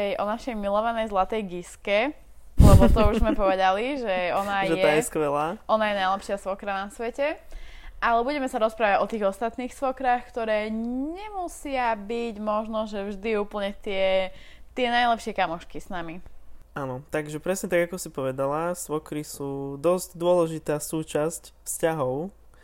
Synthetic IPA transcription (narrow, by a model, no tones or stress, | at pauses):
ɛjʔɔnaʃɛjmilɔʋanɛjzlat̪ɛjɡiskɛ | lɛbɔt̪ɔuʒzmɛpɔʋɛd̪aliʒɛɔnajʒɛɛajɛskʋɛlaːʔɔnajɛnajlɛpʃɪasʋɔkɾanasʋɛcɛʔalɛbuɟɛmɛsaɾɔspɾaːʋaɟɔt̪iːɣɔst̪at̪niːxsʋɔkɾaxkt̪ɔɾɛːɲɛmusɪabiɟmɔʒnɔʒɛvʒd̪iuːpl̩ɲɛt̪ɪɛt̪ɪɛnajlɛpʃɪɛkamɔʃkisnamianɔt̪aɡʒɛpɾɛsɲɛt̪aɡakɔsipɔʋɛd̪alasʋɔkɾisuːd̪ɔzɟd̪ʊɔlɛʒit̪aːsuːt͡ʃascfscaɦɔʊ